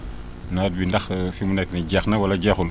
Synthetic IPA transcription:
nad̚bindɐxfimunɛkːniɟɛxnɐwɐlɐɟɛxul

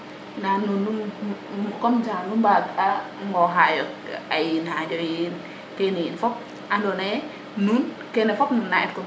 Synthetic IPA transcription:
nanunːun | kɔmd͡ʒanunbada | ŋɡɔɦajɔajinhad͡ʒɔjin | kɛnijinfɔp̚ | ʔandɔnaɛ | nun | kɛnɛfɔpnunːaʔɛtkɔm

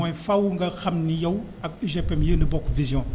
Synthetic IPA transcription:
ɔ̃jfawuŋɡaxamnijaw | akiʒepɛmjənəbɔkvizjɔ̃

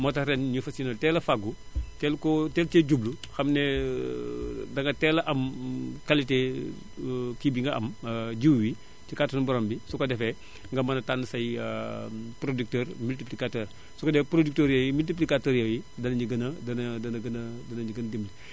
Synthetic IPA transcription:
mɔtɐɾɛnɲufɐsinɐltɛːlɐfaɡu | tɛlkɔtɛltɛɟubluxɐmnɛ | dɐŋɡɐtɛːlɐʔɐmkalite | kibiŋɡɐʔɐmɟiwwi | tikatɐnbɔɾɔːmbisukɐdɛfɛ | ŋɡɐmɐnɐtanːəsɐj | pɾodik̚tɛːɾmiltiplikatɛːr | sukɐdɛfpɾodik̚toːɾjɛwjimilt̬ip̬likatəːɾjɐwjidɐnɐɲiɡɐnɐdɐnɐdɐnɐɡɐnɐdɐnɐɲiɡɐndemli

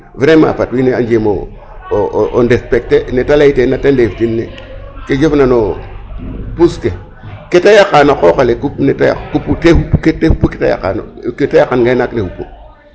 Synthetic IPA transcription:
vɾema̰fatwineand͡ʒemo̰ | ondespek̚tenetalaitenatendeftinːḛ | ked͡ʒofnano | puske | ketajakanokokolekupnetaja̰kupːutehupːuketehupːuke̥tḛja̰ka̰no̰ketajakːanɡainaknehupːo̰

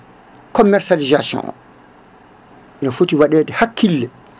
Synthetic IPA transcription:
kɔmːɛɾsalizasjɔ̰̃n̰ | ʔɛnɔfotiwaɗɛːdɛhakʰːilːɛ

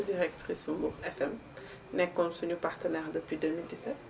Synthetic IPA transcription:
diʁɛk̚t̪χisumbuʁɛfɛm | nɛ̃kɔ̃nsuɲupaʁt̪ənɛʁd̪əpɥid̪ømild̪isɛt̪̚

